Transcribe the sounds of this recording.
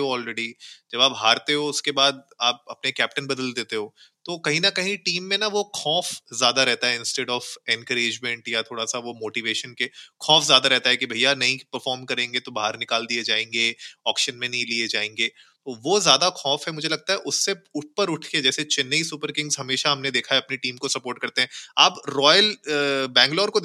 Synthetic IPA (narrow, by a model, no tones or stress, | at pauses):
ɦoɔːlɾɛɖid͡ʒɐbaːpɦaːɾt̪eɦoʊskebaːd̪̚ | aːp̚ɐpnekɛːp̚ʈənbɐd̪əld̪eːt̪eɦoːt̪okɐɦĩnɐkɐɦĩʈiːmːẽnaʋokʰɔːfzjaːd̪aɾɛɦt̪aɦɛɪ̃nsʈeːɖɔːfɛ̃nkəɾeːd͡ʒmẽɳʈjat̪ʰoːɽasaʋomoːʈiʋeːʃənkekʰɔ̃ːfzjaːd̪aɾɛɦt̪aɦɛkibʱɐijanɐɦĩpəɾfɔːɾmkɐɾẽːŋɡet̪obaːɦəɾnɪkaːld̪ied͡ʒaːẽːŋɡeɔːkʃənmẽnɐɦĩlied͡ʒaːẽːŋɡeː | t̪oʋozjaːd̪akʰɔ̃ːfɦɛmʊd͡ʒʱelɐɡ̚t̪aɦɛʔʊsːeʊʈ̚ʰpəɾʊʈʰked͡ʒɛːset͡ʃɪnːəisʊpəɾkɪ̃ŋzɦɐmeːʃaɦɐmned̪eːkʰaɛɐpniʈiːmkosɐpoːɾʈ̚kɐɾt̪eɦɛ̃aːpɾɔːjəlbɛ̃ːŋɡlɔːɾko